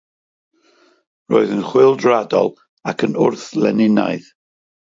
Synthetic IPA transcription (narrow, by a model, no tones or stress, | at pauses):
roːɨðənχwɪlˠdradɔ̰lˠ | akʰənʊrθlɛnɪna̰jð